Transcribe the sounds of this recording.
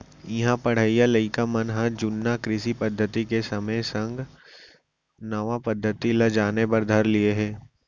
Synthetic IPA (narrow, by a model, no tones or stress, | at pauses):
jɐɦãpɐɽ̤əijaləɪkamɐnɦãd͡ʒʊnːakɾɪʃipɐd̪ʱːət̪ikesɐməjsɐ̃ŋɡ | nɐʋãpɐd̪ʱːət̪ilɐd͡ʒaːnebɐɾd̪ʱɐɾlieɦɛ̃ː